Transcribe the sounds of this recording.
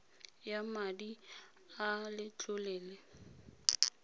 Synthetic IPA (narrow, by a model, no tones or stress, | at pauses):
jamadi | alɪt͡ɬʼʊlɛːlɛ